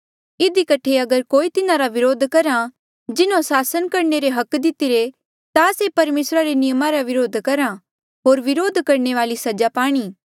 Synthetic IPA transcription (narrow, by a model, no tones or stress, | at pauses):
ɪd̪ikɐʈʰeɐɡəɾkoːit̪ɪnãɾaʋɪɾoːd̪ʱkɐɾa | d͡ʒɪnõsaːsənkɐɾneɾeɦɐkd̪ɪt̪iɾe | t̪asepɐɾmeːsɾaɾenɪjəmaɾaʋɪɾoːd̪ʱkɐɾa | ɦoːɾʋɪɾoːd̪ʱkɐɾneʋaːlisɐd͡ʒapaːɽ̃iː